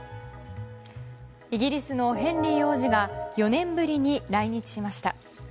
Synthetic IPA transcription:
iɡʲiɾʲisɨno̞ɦẽ̞nɾʲijo̞ːʑiɡajo̞nẽ̞mbɯ̟ɾʲiɲ̟iɾaiɲ̟it͡ɕi̥ɕimaɕi̥t̪a

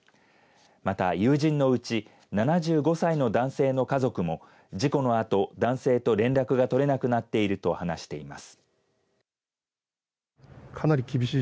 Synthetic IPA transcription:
mat̪ajɯ̟ːʑĩnːo̞ɯ̟t͡ɕi | nanaʑɨːɡo̞saino̞d̪ãɰ̃se̞ːno̞kazo̞kɯ̟mo̞ | d͡ʑiko̞no̞at̪o̞d̪ãɰ̃se̞ːt̪o̞ɾẽ̞nɾakɯ̟ɡat̪o̞ɾe̞nakɯ̟nat̪ːe̞iɾɯ̟t̪o̞hanaɕi̥t̪e̞ima̰sɨ̥ | kʰanaɾʲikʲibʲiɕiː

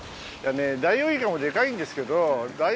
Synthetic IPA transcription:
janed̪aioːikamo̞d̪e̞kaĩnd̪esɨ̥ke̞d̪od̪a

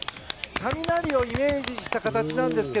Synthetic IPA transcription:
k̪amʲinaɾʲio̞ime̞ːʑiɕi̥t̪akat̪at͡ɕinãnd̪e̞sɨ̥ke

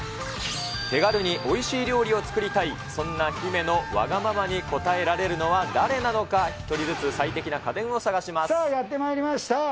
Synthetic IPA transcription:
t̪e̞ɡaɾɯ̟ɲ̟iʔo̞iɕiːɾʲo̞ːɾʲio̞t͡sɨ̥kɯ̟ɾʲit̪ai | sõ̞nːaçime̞no̞βa̰ɡamamaɲ̟iko̞t̪ae̞ɾaɾe̞ɾɯ̟no̞βad̪aɾe̞nano̞kaçi̥t̪o̞ɾʲizɨt͡sɨsait̪e̞kʲinakad̪ẽ̞ɰ̃o̞saɡaɕimassajat̪ːe̞maiɾʲimaɕi̥t̪a

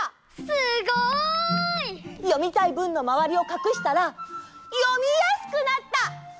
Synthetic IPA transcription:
sɨɡo | ijo̞mʲit̪aibɯ̟̃nːo̞maβ̞aɾʲio̞kakɯ̟ɕi̥t̪aɾajo̞mʲijasɨ̥kɯ̟nat̪ːa

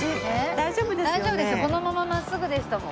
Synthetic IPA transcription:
ɯed̪aiʑo̞ːbɯed̪aiʑoːbɯ̟d̪esɨoko̞no̞mamamasːɨɡɯ̟d̪e̞sɨ̥t̪omo

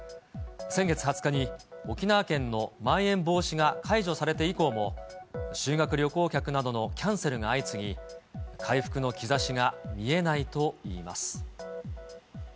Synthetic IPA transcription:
sẽ̞ŋɡe̞t͡sɨ̥hat͡sɨ̥kaɲ̟io̞kʲinaːkẽ̞nːo̞mãɰ̃ẽ̞mbo̞ːɕiɡakʰaiʑo̞saɾe̞t̪e̞iko̞ːmo̞ɕɨːɡakɯ̟ɾʲo̞ko̞ːkʲakɯ̟nad̪o̞no̞kʲãɰ̃se̞ɾɯ̟ɡaːit͡sɨɡʲikʰaiɸɯ̥kɯ̟no̞kʲizaɕiɡamʲie̞nait̪o̞ḭːma̰sɨ̥

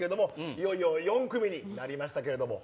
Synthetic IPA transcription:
eɾed̪o̞mo̞ijo̞iojõ̞ŋkɯ̟mʲiɲ̟inaɾʲimaɕ̬i̥t̪ake̞ɾe̞d̪o̞mo̞̰

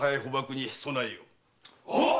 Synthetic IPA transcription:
ajajiɦobakɯɲisonaio

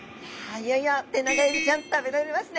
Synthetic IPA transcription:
haijajat̪ːenaɡaid̪it͡ɕãnt̪o̥t̪abet̪aɾemasɨne

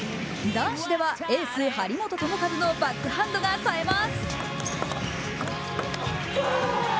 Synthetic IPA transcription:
d̪ãɰ̃ɕid̪e̞βae̞ːsɨːhaɾʲimo̞t̪o̞t̪o̞nokazɨno̞bakːɯ̟hãnd̪o̞ɡasaemasɨ̥

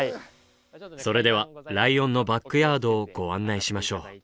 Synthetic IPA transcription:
so̞ɾe̞d̪e̞β̞aɾaiõ̞nːo̞bakːɯ̟jaːd̪o̞ːɡ̥o̞βãnːaiɕimaɕo̞ː

